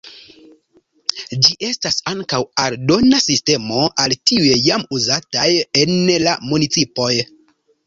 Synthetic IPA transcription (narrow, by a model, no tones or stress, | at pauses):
d͡ʒiʔe̞stasaŋkawaldo̞nasiste̞mo̞ʔaltiujejamuzataje̞nlamunit͡sipo̞j